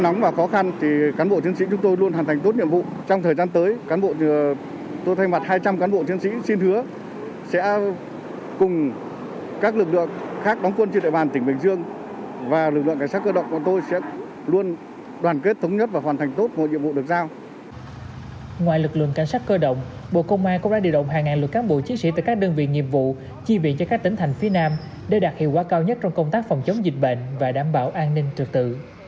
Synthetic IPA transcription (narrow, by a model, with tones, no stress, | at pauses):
nɔ˨˦wŋ͡mvaː˨˩xɔ˨˦xa˧nt̪ʰi˨˩kaː˨˦nɓo̰˧˨t̪i˨˦ənsḭ˧˥t͡ɕʊ˨˦ŋ͡mt̪o˧jlu˧ənhwaː˨˩nt̪a˨˩ŋ̟t̪o˦˥t̚ɲḭ˧˨əmvṵ˧˨t͡ɕɔ˧wŋ͡mt̪ʰəː˨˩zaː˧nt̪əː˨˦jkaː˨˦nɓo̰˧˨ | t̪o˧jt̪ʰa˧jma˨˩t̚haː˧jt͡ɕa˧mkaː˨˦nɓo̰˧˨t̪i˨˦ənsḭ˧˥si˧ntɨ˨˦ə | sɛ̰˧˥ | kʊ˨˩ŋ͡m | kaː˦˥k̚lɨ˨˩k̚lɨ̰˧˨əŋxaː˦˥k̚ɗɔ˨˦wŋ͡mkwə˧nt͡ɕɗḛ˧˨ɓaː˨˩nt̪ï˩ŋ̟ɓï˨˩ŋzɨ˧əŋ | vaː˨˩lɨ˨˩k̚lɨ̰˧˨ŋka˧˩ŋa˦˥kə˧ɗə̰˧˨wŋ͡mka̰˧˨˩t̪o˧jsɛ̰˧˥ | lu˧ən | ɗwaː˨˩nke˦˥t̚t̪ʰə˨˦wŋ͡mɲə˦˥t̚vaː˨˩waː˨˩nt̪ʰa˨˩jŋ̟t̪o˦˥t̚mo̰˨˧˨jɲi˧əmvṵ˧˨ɗɨ˨˩ək̚zaː˧w | ŋwaː˧˨jlɨ˨˩k̚lɨ̰˧˨əŋka˧˩jŋsaː˦˥t̚kəː˧ɗə̰˧˨wŋ͡mɓo̰˧˨kə˧wŋ͡mʔaː˧nkʊ˧˥ŋ͡mɗaː˧˥ɗi˧˨əɗə̰˧˨wŋ͡mɦaː˨˩ŋːaː˨˩nlwə˨˩t̚kaː˨˦nɓo̰˧˨t͡ɕi˨˦ənsḭ˧˥t̪a̰ː˧˨jkaː˦˥k̚ɗə˧ŋvḭ˧˨ŋḭ˧˨əmvṵ˧˨ | t͡ɕi˧vḭ˧˨nt͡ɕɔ˧kaː˦˥k̚t̪i˨˦ŋt̪ʰjŋ̟fi˨˦ənaː˧m | ɗe˧˩ɗaː˨˩t̚hḭ˧˨əwkwːkaː˧wɲə˦˥t̚t͡ɕɔ˧wŋ͡mkə˧wŋ͡mt̪aː˦˥k̚fɔ˨˩wŋ͡mt͡ɕə˨˦wŋ͡mzi˨˩t̟̚ɓḛ˧˨nvaː˨˩ɗaː˧˩mɓa̰ː˧˩wʔaː˧nnï˧ŋ̟t͡ɕɨ˨˩k̚t̪ɨ̰˧˨